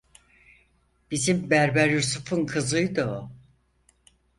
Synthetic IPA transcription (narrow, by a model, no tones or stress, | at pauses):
b̥izimbæɾbæɾjusufunkʰɯzɯjd̪ɯo